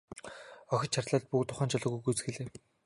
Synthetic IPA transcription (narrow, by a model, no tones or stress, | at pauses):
ɔxʲɞ̆t͡ɕʰart̪ɮaːt̪̚pukt̪ʰʊχaːnt͡ɕʰɔɮɞ̆ɣujɡujt͡sxĕɮeː